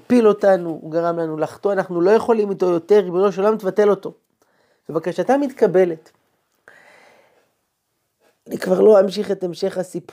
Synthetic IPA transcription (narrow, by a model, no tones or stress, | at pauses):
pilo̞tanuɡaʁamlanulaχtoanaχnulo̞je̞χolimito̞jo̞te̞ʁibeloʃolamt̪vate̞lo̞to̞ | vebakaʃatamit̪kabe̞le̞t | nikvaʁlo̞hamʃiχe̞temʃe̞χasip